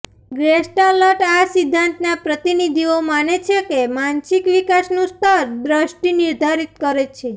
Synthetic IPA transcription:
ɡɾesʈaləʈasid̪ʱːant̪napɾət̪inid̪ʱiomanet͡ʃʰekemansikʋikasnũst̪ʰəɾd̪ɾəʃʈiniɾd̪ʱaɾit̪kəɾet͡ʃʰe

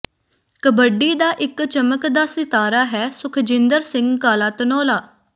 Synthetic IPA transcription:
kəbəɖːiːd̪aːʔɪkt͡ʃəməkd̪aːsɪt̪aːɾaːɦɛːsʊkʰd͡ʒɪ̃nd̪əɾsɪ̃ŋɡkaːlaːt̪ənɔːlaː

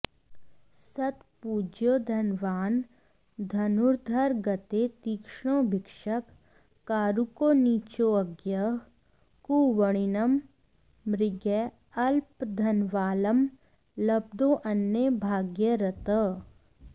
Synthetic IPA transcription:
sɐt̪puːd͡ʒjod̪ʱɐnʋaːn | d̪ʱɐnuɾd̪ʱɐɾɡɐt̪et̪iːkʃɽ̃õːbʱɪkʂəkː | aːɾukoːniːt͡ʃoɐɡjɐ | kuːwəɽ̃ɪnɐm | ɾɪɡɛ | ɐlpd̪ʱɐnʋaːləm | lɐb̚d̪oːʔɐnːebʱaːɡjəɾɐt̪ə

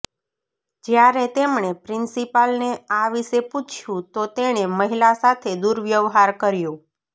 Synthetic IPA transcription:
d͡ʒjaɾet̪emɳepɾɪnsipalneaʋiʃeput͡ʃʰjũt̪ot̪eɽ̃eməɦilasat̪ʰed̪uɾʋjəʋɦaɾkəɾjũ

